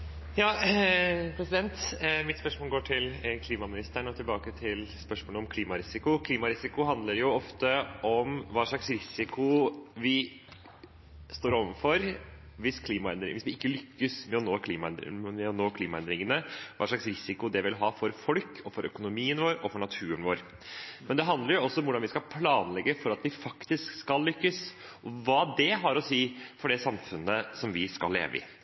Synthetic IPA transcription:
jɑː | pʰɾɛsɪd̪ɛnt̪mɪt̪spœʂmoːlɡoːʈʰɪlkʰliːmɑmɪnɪst̪æɳɔt̪ʰɪlbɑːkət̪ʰɪlspœʂmoːləɔmkʰliːmɑɾɪsɪkʊkʰliːmɑɾɪsɪkʊɦɑnd̪ləɾjʊɔft̪əʔɔmʋɑːʂɭɑksɾɪsɪkʊʋɪ | st̪oːɾɔʋənfɔɾ | ʋɪskʰliːmɑɛnd̪ɾɪ̰ŋʋɪsʋɪɪkːəlʏkːəsmɛɔnoːkʰliːmɑɛn̰mɛɔnoːkʰliːmɑɛnd̪ɾɪŋənəʋɑ̰ːʂɭɑksɾɪsɪkʊd̪ɛʋɪlɦɑːfɔɾfɔlkʰɔfɔɾœkʊnʊmiːənʋoːɾɔfɔɳɑt̪ʰʉːənʋoːɾ | mɛnd̪ɛɦɑnd̪ləɾjʊɔsːɔɔmʊɖɑnʋɪskɑlpʰlɑːnlɛɡːəfɔɾɑt̪ʋɪfɑkt̪ɪskskɑlːʏkːəs | ʔɔʋɑːd̪ɛɦɑɾɔsiːfɔɖɛsɑmfʉnːəsɔmʋɪskɑlːḛːʋə̰ɪ̰

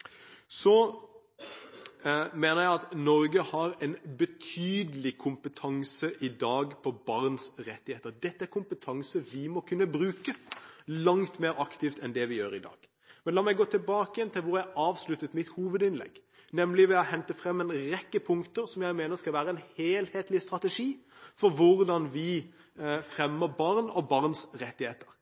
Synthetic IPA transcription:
sɔ | meːnəɾjæɪɑt̪nɔɾɡəhɑɾɛnbət̪ʰyːd̪əlɪkʰʊmpət̪ʰɑŋsəʔɪd̪ɑːɡpʰɔbɑɾnsɾɛt̪ːɪheːt̪əɾd̪ɛt̪ːəæɾkʊmpət̪ʰɑŋsəʋɪmɔkʰʉnːəbɾʉːkəlɑŋt̪meːɾɑkt̪ɪft̪ɛnd̪ɛʋɪjøːɾɪd̪ɑ̰ːɡ̥ | mɛnlɑːmæɪɡoːt̪ʰɪlbɑːkəjɛnt̪ʰɪlʋʊɾjæɑːʋslʉt̪ːət̪mɪt̪huːʋəd̪ɪnlɛ̰ɡː | nɛmlɪʋɛɑhɛnt̪əfɾɛmːɛnɾɛkːəpʰʊŋkt̪əɾsɔmjæɪmeːnəɾskɑlʋæːɾəɛnheːlheːt̪lɪst̪ɾɑt̪əʂiːfɔɾʋʊɾd̪ɑnʋɪ | fɾɛmːəɾbɑɾnɔbɑʁnsɾɛt̪ːɪheːt̪ə̥ɾ

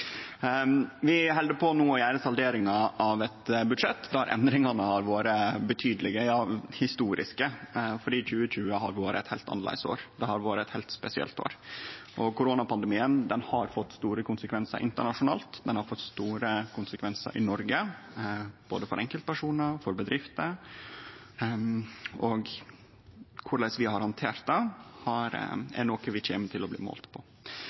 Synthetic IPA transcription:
ʋɪɦɛld̪əpʰɔnoːɔjæːɾəsɑld̪eːɾɪŋɑʔɑʋɛt̪bʉd̪ʂɛt̪ːd̪ɛæ̰ɾʔɛ̰nd̪ɾɪŋɑnəhɑɾʋoːɾəbət̪ʰyːd̪əlɪɡəjɑːhɪst̪uːɾɪ̰skəfɔɖiːçʉːəçʉːəɦɑɾʋoːɾə̰ɛt̪hɛɪlt̪ʰɑ̰nlæ̰ɪso̰ːɾd̪ɛhɑɾʋoːɾəɛt̪hɛɪlt̪spɛsɪɛ̰lt̪ʰo̰ːɾʔɔkʊɾoːnɑpʰɑnd̪əmiːənd̪ɛnhɑɾfɔt̪ːst̪uːɾəkʊnsəkʰʋɛnsə̰ɾʔɪnt̪əɳɑʂʊnɑ̰ːlt̪d̪ɛnhɑɾfɔt̪ːst̪uːɾəkʰʊnsəkʰʋɛnsə̰ɾʔɪ̰nɔɾɡə | b̥o̰ːd̪əfɔɾɛŋkəlt̪̚pʰæʂuːnəɾfɔɾbəd̪ɾɪft̪ə | ɔɡ | kʰʊɭæɪsʋɪhɑɾhɑnt̪ʰeːɾt̪̚d̪ɑhɑɾɛ̰ɳɔkəʋɪc͡çʰeːmət̪ʰɪlɔblḭːmo̰ːlt̪pʰɔ

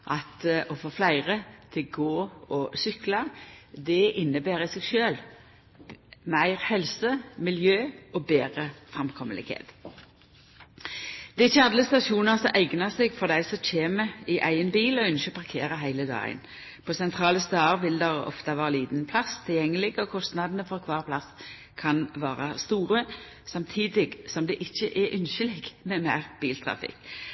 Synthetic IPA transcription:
ʔɑt̪ɔfoːflæɪʁət̪ʰɪɡoːɔsʏklɑd̪ɛʔɪnːəbæːɾɪsɛːɡʃøːl | mæɪʁhɛlsəmɪljøːɔbeːʁəfʁɑmkʰɔməlɪ̰ɡhḛːt̪ | d̪̥ɛɪçːəɑd̪ləst̪ɑʃuːnəsɔʔæɪɡnəseɡfɔʁd̪æɪsɔc͡çeːməɪʔæɪənbiːlɔœnʃəpʰɑʁkʰeːɾəɦæɪləd̪ɑ̰ːɡə̰n | pʰosɛnt̪ʰʁɑːləst̪ɑːʁʋɪld̪ɛʁɔ̰ft̪ɑʋɑːʁɑliːd̪n̩pʰlɑst̪ʰɪljɛŋːəlɪɡɔkʰɔst̪nɑd̪ənəfɔʁkʰʋɑːʁpʰlɑs | kʰɑnʋɑːʁɑst̪uːʁə | sɑmt̪ʰiːd̪ɪɡsɔmd̪ɛʔɪçːəʔɛʔʏnʃəlɪɡmɛmæɪʁb̥iːlt̪ʰʁɑ̰fɪ̰k

